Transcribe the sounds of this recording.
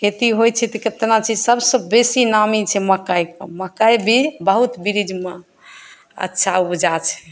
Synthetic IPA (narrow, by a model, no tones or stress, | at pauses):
ket̪iɦojt͡ʃʰɛt̪ɔket̪nat͡ʃid͡ʒsəbsə̃besinamit͡ʃʰɛməkajkəməkajbʱibəɦut̪biɾid͡ʒme | ə̰tːʃʰaupd͡ʒat͡ʃʰɛ̥